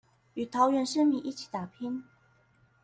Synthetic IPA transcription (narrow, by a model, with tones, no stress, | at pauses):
y˨˩t̪ʰɑ˧˥ʊɥɛ˧˥nʂə˥nmi˨˦ʔi˥˩t͡ɕʰi̥˨˩t̪a˨˩pʰi˥n